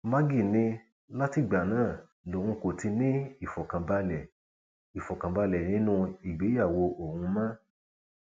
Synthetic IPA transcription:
ma˦ɡi˦˨nĩ˧ | la˦ti˦˨ɡ͡ba˨nãː˦˨ | o˨hũ˧ko˨ti˧nĩ˦i˦˨fɔ˨kã˨ba˧lɛ˨ | i˨fɔ˨kã˨ba˧lɛ˨nĩ˨˦nũ˧˦i˨ɡ͡be˨˦ja˦˨wo˧ʔo˦˨hũ˧mã˦

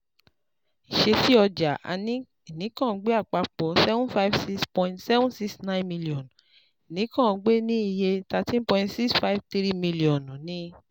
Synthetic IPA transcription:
i˨ʃe˧ti˦ɔ˧d͡ʒa˨ʔa̰˧nĩ˦ | i˨nĩ˨˦kã˦˧ɡ͡be˦a˦˨k͡pa˧k͡pɔ˨˦sɛ˦vũ˦fa˦i˦vsi˦spɔ̃˧ĩntsɛ˦vũ˦nsi˦ksnã˦nmĩ˧li˨ɔ̃˨n | i˨nĩ˨˦kã˦˨˧ɡ͡be˦nĩ˦i˦˨je˧ta˧tĩ˦n˦pɔ̃˧ĩntsi˦ksfa˦i˦vt̪ɾi˦mĩ˧li˨ɔ̃˨n˨nĩ˧

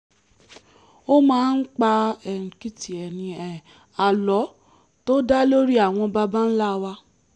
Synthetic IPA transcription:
o˦mãː˦n̩˦k͡pa˧ɛ˨n̩˨ki˦ti˨ɛ˨nĩ˨˧ɛ˨ | a˨lɔ˨˦ | to˦da˦lo˦ɾi˦a˦˨w̃ɔ̃˧ba˧ba˦n̩˦la˦˧wa˧˦

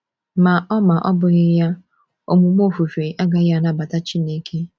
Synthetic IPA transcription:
ma˨ʔɔ˦ma˨ʔɔ˦bʊ˨ɣɪ˦ja˦ | o̰˨mu˨m˦o˦˨fu˨fe˨ʔa˦ɡa˨˦a˨na˦ba˨ta˦t͡ʃi˦ne˦kʰe˦

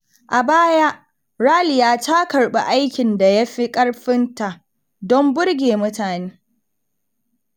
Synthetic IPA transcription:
ʔa˨baː˦ja˦ʔ | ɾaː˦lɪ˨jaː˦ta˦kɐ˨rɓḛ˨ʔa˦jkʲɪ˨nda˨ja˦ɸi˦kʼɐ˦ɽɸɪ˦nta˨ʔ | dɔ˦mbʊ˦ɽɡʲeː˨mʊ˦taː˨neː˦

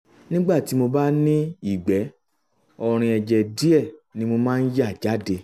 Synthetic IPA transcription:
nĩ˦ɡ͡ba˦˨ti˨˦mo˧ba˦nĩ˦i˦˨ɡ͡bɛ˨˦ | ɔ˧ɾ̃ĩ˧ɛ˧d͡ʒɛ˧˨di˦ɛ˦˨nĩ˨˦mo˧mãː˦˧n̩˦ja˦˨d͡ʒa˨˦de˧

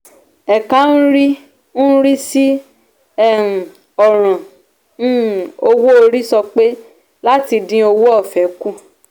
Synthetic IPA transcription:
ɛ˨kã˦ñ̩˦ɾi˦ | ñ̩˦ɾi˦si˦ | ɛ̃˦˨ | ɔ˨ɾ̃ã˨ | ñ̩˦˨o˧wo˦o˧ɾi˦sɔ˧k͡pe˦ | la˦ti˧dĩ˦o˧wo˦ɔ˦˨fɛ˨˦ku˦˨

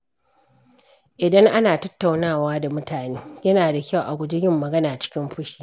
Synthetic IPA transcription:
ʔɪ˨dɐ˦ŋʔa˦naː˨tɐ˦tːa˨wnaː˦˨waː˦da˨mʊ˦taː˨neː˦jɐ˦naː˨da˨kʲɐ˦˨wʔa̰˨ɡʷʊ˦d͡ʒɪ˦jɪ˦mːɐ˨ɡɐ˦naː˨t͡ʃɪ̥˦kʲɪ˦mɸʊ˦ʃi̥ː˨

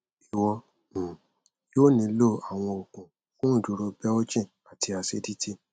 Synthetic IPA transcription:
i˨wɔ̃˧˨ | joː˦nĩ˧˦lo˦˨a˨w̃ɔ̃˧o˨kũ˨ | fũ˦˨du˨˦ɾo˧bɛ˦o˦d͡ʒĩ˦˨ | a˨ti˧a˧se˦di˦ti˦

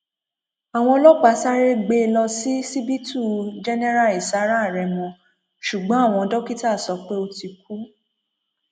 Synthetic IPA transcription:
a˨w̃ɔ̃˧˦lɔ˦k͡pa˧˦sa˦ɾe˦ɡ͡be˧˦˧lɔ˧si˦si˦bi˦tu˦˨d͡ʒɛ˦nɛ˦ɾa˦˨i˨sa˨˦ɾa˦˨ɾɛ˨mɔ̃˧ | ʃu˨ɡ͡bɔ̃˨˦a˦˨w̃ɔ̃˧ɔ˧dɔ˦ki˦ta˦˨sɔ˨˦k͡pe˦o˧ti˧k̚u˦

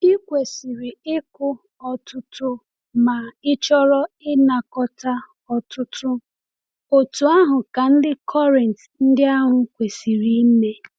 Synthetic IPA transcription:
ɪ˦kʷe˨si˨ɾi˨ɪ˦kʊ˦ | ɔ˨tʊ˦tʊ˦ | ma˨ɪ˦t͡ʃɔ˦ɾɔ˦ɪ˦na˨kɔ˦ta˦ | ɔ˨tʊ˦tʊ˦ | o˨tu˨a˦ɦʊ˨ka˨n̩˦dɪ˦kʰɔ˦ɾɛ˨nt | n̩˦dɪ˦a˦ɦʊ˨kʷe˨si˨ɾi˨˦me˦

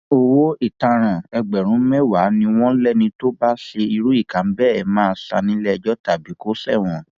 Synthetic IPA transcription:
o˦wo˦i˦˨tã˧ɾ̃ã˨ɛ˧ɡ͡bɛ˨ɾ̃ũ˨˦mɛ˦wa˨˦nĩ˧w̃ɔ̃˦lɛ˦˨nĩ˧to˦ba˦ʃe˧i˧ɾu˦i˦˨kã˨˦m̩˦bɛ˦ɛ˨mãː˦˧sa̰˧nĩ˨˦lɛ˦˧d͡ʒɔ˦ta˦˨bi˨˦ko˦sɛ˦˨w̃ɔ̃˨

